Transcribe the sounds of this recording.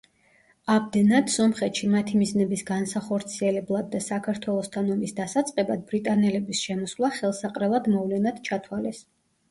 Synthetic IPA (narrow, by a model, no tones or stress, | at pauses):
amd̪ɛnad̪̥sɔmχɛt̪ʃimat̪ʰimiznɛbisɡansaχɔɾt̪sʰiɛlɛblˠad̪ːasakʰaɾt̪ʰwɛlˠɔst̪ʰanɔmisd̪asat̪sʼqʼɛbad̪̚bɾit̪ʼanɛlɛbisʃɛmɔswlˠaχɛlˠsaqʼɾɛlˠad̪mɔvlɛnad̪̥t͡ʃʰat̪ʰwalɛs